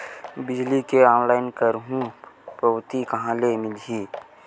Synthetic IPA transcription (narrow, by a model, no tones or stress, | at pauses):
bɪd͡ʒlikeɔːnlaːɪnkəɾɦũpɾəwt̪ikɐɦãlemɪlɦiː